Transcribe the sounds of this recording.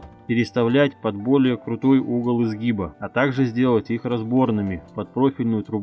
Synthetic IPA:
pʲɪɾʲɪst̪ɐvlʲætʲpɐd̪bo̞lʲɪjəkɾʊt̪o̞juɡəlˠɨzɡʲibəɐt̪aɡʐɨzʲdʲe̞lˠətʲixrɐzbo̞rnɨmʲɪpɐt̪̚pɾo̞fʲɪlʲnʊjʊt̪ɾʊb

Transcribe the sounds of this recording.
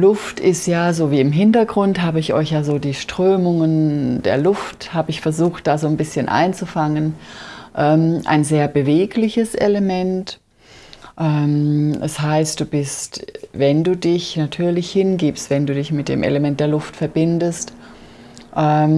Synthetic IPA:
lʊftʰɪstjaːzoːviːɪmɦɪntɐɡʁʊntɦaːbəɪçʔɔ̰ʏçjaːzoːdiːʃtʁ̥øːmʊŋənd̥eːɐlʊfthaːbəɪçfɛɐzuːxt̚d̥aːzoːnbɪsçənʔa̰ɪnt͡sufaŋənʔɛːmʔa̰ɪnzeːɐbəveːklɪçəsʔḛləmɛnt | ʔɛːmʔɛshaɪst̚d̥uːbɪstvɛnduːdɪçnatʰyːɐlɪçhɪnɡiːpstv̥ɛnduːdɪçmɪt̚d̥ḛːmʔḛləmɛnt̚d̥eːɐlʊftfɛɐbɪndəst | ʔɛː

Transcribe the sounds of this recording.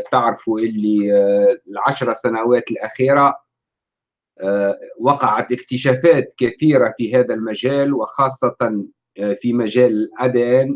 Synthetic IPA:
t̪aʕɾɪfuʔɪlːi | lʕaʃɾˤɑsænawæːt̪lʔæxiːɾa | wɑqɑʕat̪ʔɪkt̪ɪʃæːfæːt̪kæθiːɾafiɦæːðælmaʒæːlwɪxɑːsˤːɑt̪ɑn | fimæʒæːlɪlʔæd̪æːn

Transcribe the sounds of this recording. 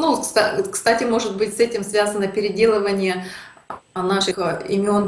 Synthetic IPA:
nukst̪akst̪atʲɪmo̞ʐɨt̪̚bɨtʲsɛtʲɪmsvʲazənəpʲɪɾʲɪdʲe̞lˠəvənʲɪjə | naʂɨxɪ̰mʲɪo̞n

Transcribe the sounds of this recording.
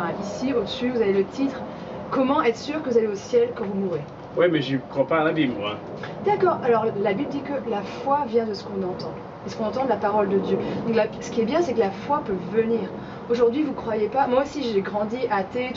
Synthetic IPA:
ɛ̃ʔisiod̪əsyvuzavelət̪ʰit̪χ | kɔmɑ̃ɛt̪χə̥syʁkəvuzaleosjɛlkɑ̃vumuʁe | wɛmɛʒikχwapalabiblmwa | d̪akɔːʁalɔʁlabibləd̪ikəlafwavjɛ̃d̪əsə̥kɔ̃nɑ̃t̪ɑ̃ | esə̥kɔ̃nɑ̃t̪ɑ̃d̪əlapaʁɔld̪əd̪jød̪ɔ̃klasə̥kʲiɛbjɛ̃sɛkəlafwapøvəniːʁ | oʒuʁd̪ɥivukχwajepamwaosiʒeɡʁɑ̃d̪iʔat̪e

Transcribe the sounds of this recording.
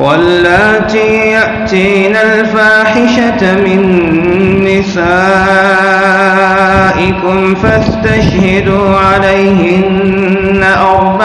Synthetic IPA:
walːaːt̪ijaʔt̪iːnalfaːħɪʃamɪnː | ɪsaː | ʔɪkʊmfast̪aʃhɪd̪uːʕalajhɪnː | aʔɑɾˤba

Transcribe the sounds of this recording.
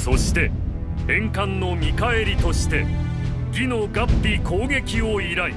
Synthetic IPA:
so̞ɕi̥t̪e̞ | hẽ̞ŋkãnːo̞mʲikae̞ɾʲit̪o̞ɕi̥t̪e̞ | ɡʲino̞ɡapːʲikʰo̞ːɡe̞kʲioiɾai

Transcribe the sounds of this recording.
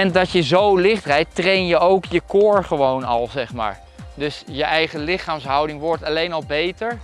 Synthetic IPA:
ɛndɑtjəzowlɪχdrɛjtrejnjəowkjəkʊːɹχəʋownɑ̰lˠzɛχma̰ːɹ | dɵsjəʔɛjχəlɪχaːmsɦɑwdɪŋʋɔɹtɑlejnɑlˠbejtəɹ

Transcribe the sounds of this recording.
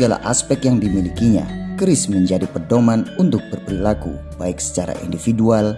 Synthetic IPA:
səɡala̰ʔa̰spɛk̚t̪jaŋdimilikiɲa̰kəɾɪsməɲd͡ʒadipərdomanunt̪ʊk̚bərpəɾilakṵb̥aɪksə̥t͡ʃaɾa̰ʔḭndifidual

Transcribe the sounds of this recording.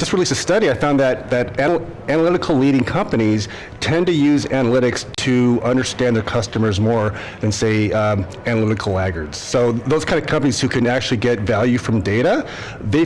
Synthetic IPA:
d͡ʒ̥ʌst̚ɹɪlˠisɨstʌɾiaɪfãʊ̃nðɨt̪̚ðɨɾæ | ænəlɪɾɨkʰl̩ˠliɾɪ̃ŋkʰʌ̃mpɨñiz̥ | tʰɛ̃ntɨjʉzænəlɪɾɨkstʰɨʌ̃ndə˞stæ̃nðə˞kʰʌstɨmə˞zmɔɹ | ðɨ̃nseɪ | ænəlɪɾɨkʰl̩ˠæɡə˞dz̥soʊðoʊz̥kʰaɪ̃ndɨ̥vkʰʌ̃mpəniz̥hʉkʰɨ̃næk̚t͡ʃʉl̩ˠiɡɛtvælˠjʉfɹʌ̃mdeɪɾə | ðeɪ

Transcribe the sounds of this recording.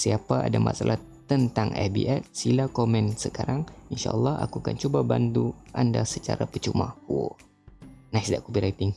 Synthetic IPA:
siapaa̰dama̰salʔah | t̪ənt̪aŋɛ̰bḭʔɛt̪̚silakomɛnsəkaɾaŋinʃa̰ʔəlːɑha̰kuakant͡ʃubaband̪uʔandasət͡ʃaɾapət͡ʃumahwo̰ | nasdaʔkubiɾajt̪ɪŋ

